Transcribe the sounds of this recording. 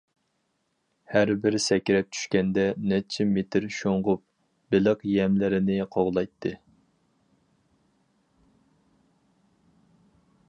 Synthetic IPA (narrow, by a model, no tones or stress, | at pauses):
hæɾbɪɾsɛkʲɾɛp̚t͡ʃʰy̥ʃkʲɛnd̪ɛnɛt͡ʃʰɛmet̪ʰɪɾʃoɴʁʊp̚ | bɪlɨqjɛmlɪɾɪnɪqʰoʁlˠɑjt̪ʰːɨ